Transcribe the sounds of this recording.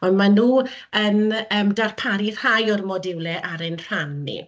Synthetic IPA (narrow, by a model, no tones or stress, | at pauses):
ɔndmanuː | ənəːmdarpʰaɾir̥ajɔrmɔdɪwlɛʔaɾenr̥anːḭ